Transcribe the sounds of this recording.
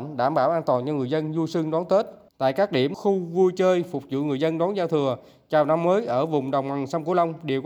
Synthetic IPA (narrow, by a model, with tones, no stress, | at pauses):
ɗaː˧˩mɓaː˧˩wʔaː˧nt̪waː˨˩nt͡ɕɔ˧ŋɨ˨˩əjzə˧nzu˧sɨ˧ŋɗɔ˨˦nt̪e˦˥t̚t̪a̰ː˧˨jkaː˦˥k̚ɗi˧˩əmxʊ˧vu˧jt͡ɕəː˧jfʊ˨˩k͡p̚zṵ˧˨ŋɨ˨˩əjzə˧nɗɔː˨˦nzaː˧wt̪ʰɨ˨˩ə | t͡ɕaː˨˩wna˧mːəː˨˦jʔəː˧˩vʊ˨˩ŋ͡mɗə˨˩wŋ͡mma˨˩ŋsa˧mku˧˦la˧wŋ͡mɗi˨˩əwk